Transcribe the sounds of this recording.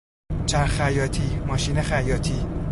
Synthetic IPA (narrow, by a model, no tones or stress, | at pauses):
t͡ʃʰæɾæjɒːt̪ʰiːmɒːʃiːnexæjɒːt̪ʰiː